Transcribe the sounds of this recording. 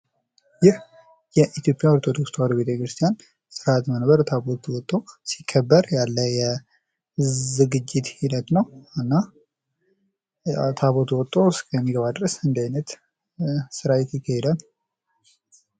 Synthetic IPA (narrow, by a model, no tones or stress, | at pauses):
jɪh | jɛʔit̪jo̞pʼjaɔɾt̪ʰod̪okst̪waɾube̞t̪ʰəkɾɨst̪ʰijan | sɨɾat̪mənbəɾt̪ʰaβot̪ʰwɔt̪ʼːosi̥kʰːəbːəɾjalːəjɛ | zɨɡɨd͡ʒːɪt̪hinət̪nəwɨnːa | t̪ʰaβot̪wɔt̪ʼːo̞skʰəmːiɡəβad̪ɾəsɨnd̪ajnət̪ | sɨɾajɛt̪jɪkʰːahɛd̪al